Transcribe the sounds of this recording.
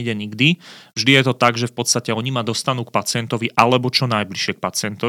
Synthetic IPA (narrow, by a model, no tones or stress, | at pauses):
ɟɛɲiɡd̪ivʒd̪ijɛt̪ɔt̪aɡʒɛfpɔt̪st̪acɛɔɲimad̪ɔst̪anuːkpat͡sɪɛnt̪ɔʋiʔalɛbɔt͡ʃɔnajbliʃɪɛk̚pat͡sɪɛnt̪ɔ